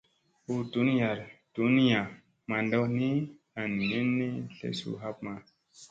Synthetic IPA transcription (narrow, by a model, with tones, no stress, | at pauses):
u˦tu˨˦n˦ja˨ɾtu˨˦n˦jã˨ | ma˨ndɔ˦ni˦ | a˨n˨ni˦nːi˦ɬḛ˨sṵ˨ɦa˦p̚ma˧